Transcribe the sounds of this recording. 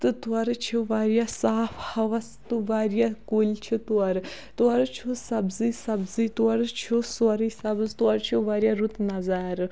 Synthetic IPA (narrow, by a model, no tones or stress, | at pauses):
t̪ɨt̪uɐɾɨt͡ʃʰiʋaːɾijasaːfʰhɐʋɐst̪uʋaːɾijakoːlʲt͡ʃʰit̪uɐɾɨ | t̪uɐɾɨt͡ʃʰusɐbzisɐbzit̪uɐɾɨt͡ʃʰusuɐɾisɐbzt̪uɐɾt͡ʃʰuʋaːɾjaɾut̪nɐzaːɾɨ